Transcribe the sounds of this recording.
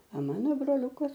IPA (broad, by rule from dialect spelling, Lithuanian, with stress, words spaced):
ɐ ˈmɑːnoː broːˈlʲʊkɐs